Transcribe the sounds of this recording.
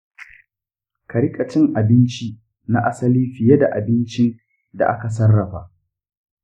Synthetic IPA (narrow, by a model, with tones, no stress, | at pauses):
kɐ˨ɾɪ˦kʼɐ˨t͡ʃɪ˦ŋʔa˨bɪ˦nt͡ʃi˦ | na˦ʔa˦sɐ˦li˦ɸɪ˨je˦da˨ʔa˨bɪ˦nt͡ʃɪ˦n | da̰˨ʔa˦ka˨s̬ɐ˦rːɐ˨ɸaː˨ʔ